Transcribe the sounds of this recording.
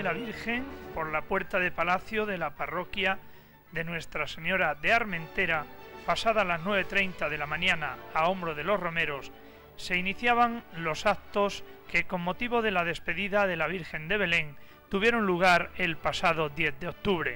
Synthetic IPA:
elaβiɾxe̞ŋpo̞ɾlapwe̞ɾt̪aðe̞palaθjo̞ðe̞laparo̞kja | ðe̞nwe̞st̪ɾase̞ɲo̞ɾaðe̞aɾmẽ̞nt̪e̞ɾapasaðalaznwe̞β̞et̪ɾe̞jnt̪aðe̞lamãɲãnaːo̞mbɾo̞ðe̞lo̞sro̞me̞ɾo̞s | se̞iniθjaβaŋlo̞sak̚t̪o̞ske̞ko̞ŋmo̞t̪iβo̞ðe̞laðe̞spe̞ðiðaðe̞laβ̞iɾxe̞nd̪e̞β̞e̞le̞ŋ | t̪uβje̞ɾo̞nluɣ̞aɾe̞lpasaðo̞ðje̞θðeo̞k̚t̪uβɾe̞̰

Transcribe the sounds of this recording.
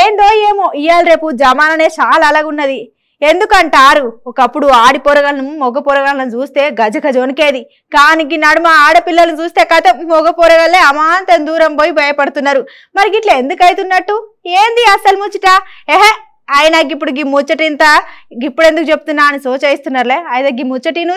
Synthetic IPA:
eːnd̪o̞ːjeːmoʔijaːlɾe̞ːpud͡ʒɐmaːnɐneːt͡ʃaːlalɐɡunːɐd̪i | e̞nd̪ukɐɳʈaːɾuɔkɐpːuɽuaːɽipɔːɾɐɡɐlnummɔɡɐpɔːɾɐɡɐlnɐnt͡ʃuːst̪e̞ːɡɐd͡ʒɐɡɐd͡ʒonike̞ːd̪i | ɡaːniɡinːɐːɽumaːaːɽɐpilːɐlɐnit͡ʃuːst̪e̞ːkat̪emɔɡɐpɔːɾɐɡɐlːeːɐmaːnt̪ɐnd̪uːɾɐmboːjibʱɐjɐpɐɽt̪unːaːɾu | mɐɾikiʈlɐend̪ukɐjt̪unːɐʈːueːnd̪iɐsɐlmut͡ʃiʈaːeɦe | ɐjnɐɡipːuɽuɡimːut͡ʃːɐʈint̪ɐɡipːuɽe̞nd̪ukut͡ʃe̞pu̥t̪unːaːɐnisoːt͡ʃeːjist̪unːaːɾleːɐjd̪ɐɡimːut͡ʃːɐʈinu

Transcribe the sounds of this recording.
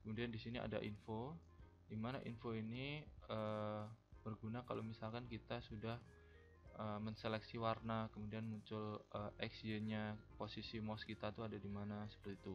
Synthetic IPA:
kəmudiandisinia̰da̰ʔinfo | dimanaʔḭnfoiniə | b̥ərɡunakalomisalkankit̪asudah | ʔəməɲselɛksiwarnakəmudianmuɲt͡ʃʊləɛksd͡ʒəɲaposisimɔskit̪at̪uadadimanasə̥pərt̪it̪u

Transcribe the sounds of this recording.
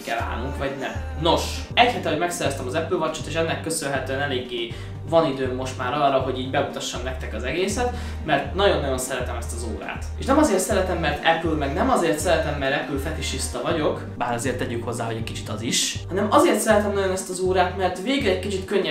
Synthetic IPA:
kɛla̰ːlnuŋkʋɒɟnɛm | no̞ʃ | ɛchɛt̪ɛɦo̞ɟmɛksɛɾɛst̪ɛmɒzɛpylvɒt͡ʃːo̥t̪eːʃɛnːɛkːøsønlɦɛt̪øːɛnɛleːɡːeː | vɒnid̪øːmːo̞ʃt̪maːɾɒrːɒɦo̞ɟiːɟbɛut̪ɒʃːɒmnɛk̚t̪ɛkɒzɛɡeːsɛt̪ | mɛrt̪nɒɟo̞nːɒjo̞nsɛɾɛt̪ɛmɛst̪ɒzo̰ːɾa̰ːt̪ḛʃnɛmɒzeːrt̪sɛɾɛt̪ɛmːɛrt̪ɛpylmɛɡnɛmɒzeːrt̪sɛɾɛt̪ɛmːɛrɛpylfɛt̪iʃist̪ɒvɒɟo̞k | baːɾɒzeːrt̪ːɛɟykho̞zːaːɦo̞ɟɛcʲkit͡ʃit̪ɒziʃhɒnɛmɒzeːrt̪sɛɾɛt̪ɛmnɒɟo̞nɛst̪ɒzoːɾaːt̪mɛrt̪veːɡlɛckit͡ʃit̪køɲːɛ

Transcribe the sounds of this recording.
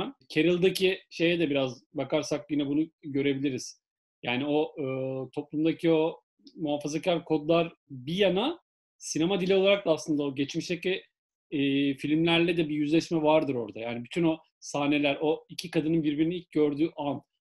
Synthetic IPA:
ncʰe̞ɾɯlˠd̪acʰiʃe̞jɛd̪ɛbiɾazbakaɾsak̚jinɛbunuɟø̞ɾe̞bilʲiɾiz̥ | jaːnio̞ɯːt̪ʰo̞p̚lˠumd̪acʰio̞ | muɦafazacʰaɾʲkʰo̞d̪lˠaɾbijana | sinemad̪ilʲio̞lˠaɾak̚d̪aslˠɯnd̪aoɟet͡ʃmiʃt̪ɛclʲɛ | filʲmlʲæɾlʲɛd̪ɛbijyzlʲɛʃmɛvaɾd̪ɯɾo̞̰ɾd̪ajaːnibyt̪ʰyno̞ | saːne̞lʲæɾo̞icʰikad̪ɯnɯnbiɾbiɾiniilʲc̚ɟø̞ɾd̪yːʔan

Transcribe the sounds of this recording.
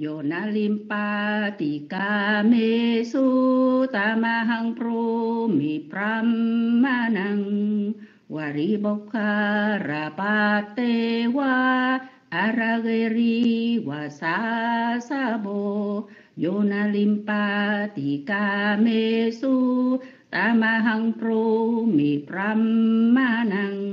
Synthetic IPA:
jonalimpat̪ikamesut̪amaɦaŋpɾomipramːanaŋ | waɾibɔkʰːaɾapat̪ewaː | ɾaɣeɾiwasasabo | jonalimpat̪ikamesu | t̪amaɦaŋpɾumipɾamːanaŋ

